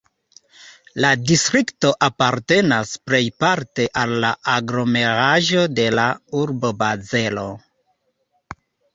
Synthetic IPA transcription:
ladistɾikto̞ʔapaɾte̞nasple̞jpaɾte̞ʔalːaaɡɾo̞me̞ɾaʒo̞de̞lauɾbo̞baze̞lo̞

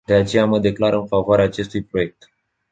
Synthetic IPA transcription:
d̪̥e̞at͡ʃe̞jaməd̪e̞klaɾɨnfavoaɾeaːt͡ʃe̞st̪ujpɾo̞je̞k̚t̪

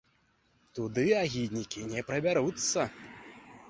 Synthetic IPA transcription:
t̪ud̪ɨaɣʲid̪nʲikʲinʲɛpɾɐbʲaɾut̪sːɐ

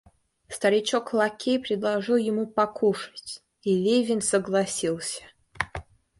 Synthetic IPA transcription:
st̪əɾʲɪt͡ɕoklˠɐkʲejpɾʲɪd̪lˠɐʐɨlˠjɪmupɐkuʂɨ̥tʲ | ilʲevʲɪnʲsəɡlˠɐsʲilˠsʲə̥

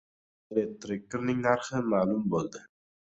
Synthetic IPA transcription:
elek̚t̪ɾɪk̚kɾnɪŋnaɾχɪmaːlʊmbolˠd̪ɪ

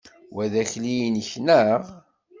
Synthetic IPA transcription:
wæðæçlijnçnæʁ

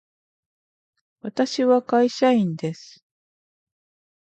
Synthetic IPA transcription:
βat̪aɕiβakaiɕaĩnd̪e̞sɨ̥

